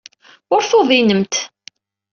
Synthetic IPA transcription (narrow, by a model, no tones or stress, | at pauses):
ʊɾfoðˤinəmt̪